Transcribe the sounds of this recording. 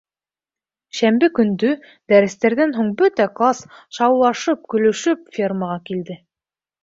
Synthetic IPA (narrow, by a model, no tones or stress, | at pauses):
ʃæmbɘkɵ̆nd̪ɵ | d̪æɾɘ̆st̪æɾðænɦuɴbɵt̪æklˠasʃɑwlˠɑʃɤp̚kɵ̆lɵ̆ʃɵpfʲirməʁɑkild̪ɘ